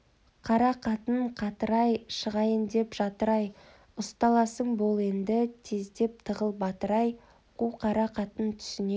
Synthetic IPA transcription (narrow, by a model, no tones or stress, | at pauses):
qʰɑɾɑqʰɑt̪ənɴqʰɑt̪əɾɑjʃəʁɑjənd̪e̞pʒɑt̪əɾɑj | ʊst̪ɑlˠɑsəɴbolˠe̞nd̪ɪt̪ʰe̞zd̪e̞p̚t̪ʰəʁəlˠbɑt̪əɾɑj | quqʰɑɾɑqʰɑt̪ənt̪ʰʏ̥sɪne